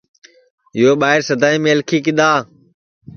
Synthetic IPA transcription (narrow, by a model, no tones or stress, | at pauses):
ɪjoːɓaːɦɪɾsəd̪ʱaːiːmẽːəlkʰiːkɪd̪aː